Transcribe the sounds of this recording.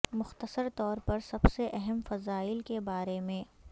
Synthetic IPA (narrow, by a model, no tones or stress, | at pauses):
mʊxt̪əsəɾt̪ɔːɾpɐɾsɐbseʔɛɦɛmfɐzaːɪlkebaːɾemẽː